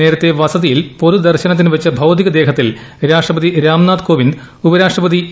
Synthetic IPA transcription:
e̞ːɾɐt̪ːe̞ʋɐsɐðijilpo̞ɾud̪ɐrɕɐnɐt̪̬ːinʋet͡ɕːɐbʱɐwd̪iɣɐd̪eːɦɐt̪ːilɾaːʂʈrɐpɐd̪iɾaːmnaːd̪koːʋind̪ | ubɐɾaːʂʈrɐpɐði

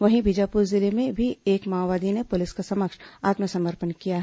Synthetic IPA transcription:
ʋɐɦĩbid͡ʒaːpuːɾzɪlemẽbʱieːkmaːʋaːd̪inepʊlɪskasɐməkʃaːt̪məsɐ̃məɾpənkijaɦɛ

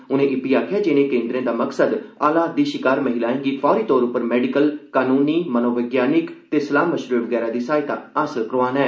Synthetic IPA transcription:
ʊnẽːʔɪpiːaːkʰɪjaːd͡ʒɪnẽːkẽːnd̪ɾẽːd̪aːməksəd̪aːlaːd̪iːʃɪkaːɾməɦɪlaːẽːɡiːfʰɔːɾiːt̪ɔːɾʊpːəɾmɛːɖɪkəlkaːnuːniːmənoːʋəɡjaːnɪkt̪eːsəlaːmːəʃɾuːʋəɡɛːɾaːd̪iːsaːɪt̪aːaːsəlkəɾʋaːnɦɛː

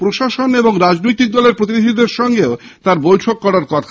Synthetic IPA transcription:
pɾoʃaʃoneboŋɾad͡ʑnojt̪ik̚d̪ɔleɾpɾot̪̬inid̪ʱid̪eɾʃɔŋɡeot̪aɾbojʈʰokːɔɾaɾkɔt̪ʰa

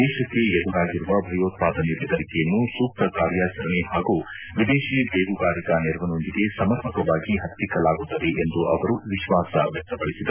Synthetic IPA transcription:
ɛːʃɐkːe̞ed̪uɾaːɡiɾuʋɐbʱɐjoːt̪̚paːd̪ɐnebɛd̪ɐɾikɛjɐnːusuːk̚t̪ɐkaːɾjaːt͡ʃɐɾɐɳehaːɡuː | ʋid̪eːʃiːbeːɡuɡaːɾikɐniɾʋɐno̞nd̪iɡe̞sɐmɐɾpʰɐkɐʋaːɡiɦɐt̪ːikɐlaːɡut̪ːɐd̪e̞ʔend̪uʔɐʋɐɾuʋiʃʋaːsɐ̰ʋjɛk̚t̪ɐpɐɽisid̪ɐ

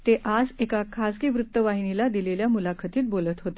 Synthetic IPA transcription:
t̪eʔad͡zekakʰaskiʋɾut̪ːəʋaɦinilad̪ileljamulakʰət̪iːt̪̚bolət̪ɦot̪e

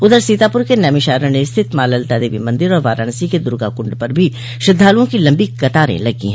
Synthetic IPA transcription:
ʊd̪əɾsiːt̪aːpʊɾkenɛːmɪʃaːɾə̃neɪst̪ʰɪt̪maːləlt̪ɛːd̪eːbimɐ̃nd̪ɪɾɔːɾʋaːɾaːɳsiked̪ʊɾɡa̰kʊ̃ɳɖpɐɾbʱi | ʃɪd̪ʱːaːlõkilɐ̃mbikɐt̪aːɾḛ̃lɐɡḭɦɛ̃ː

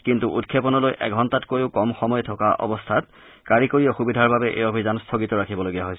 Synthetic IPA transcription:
kintuʔutkʰepɔnɔlojʔɛ̰ɡʱɔntatkojʊkɔmxɔmɔjtʰɔkaʔɔ̰bɔstʰat | kaɹikoɹijɔxubidʱaɹbabɛʔḛjobʱizanstʰɔɡitɔɹakʰibɔloɡijaɦojsɛ

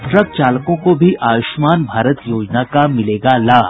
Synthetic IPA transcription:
ʈɾək̚t͡ɕalkõkobʱiːʔaʋʊʃmaːnbʱaːɾət̪jod͡ʑnakamɪleɡala

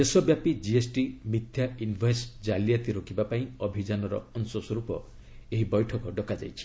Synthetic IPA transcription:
d̪esɔbjapid͡ʒiesʈimit̪ʰjainbʱaesd͡ʒaljat̪iɾokibapaĩɔbʱid͡ʒanɔɾɔ̰ɔnsɔswɔɾupɔ | eɦibɔjʈʰɔkɔɖɔkad͡ʒa̰jt͡ʃʰi̥

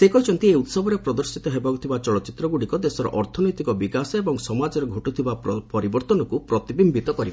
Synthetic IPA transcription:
sekɔit͡ʃʰɔnt̪ieut̪sɔbʱɔɾepɾɔd̪ɔɾsit̪ɔɦebakut̪ʰibat͡ʃɔɭɔt͡ʃit̪ɾɔɡuɽikɔd̪esɔɾɔ̰ʔɔɾt̪ʰɔnɔjt̪ikɔbikasɔebɔŋsɔmad͡ʒɔɾɔɡʱoʈut̪ʰibapɔɾibɔɾt̪ɔnɔkupɾɔt̪ibimbʱit̪ɔkɔɾiba

